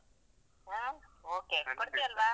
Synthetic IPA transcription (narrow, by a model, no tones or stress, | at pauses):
aoːkeːkɔɽɯt̪ːɪɐlʋaː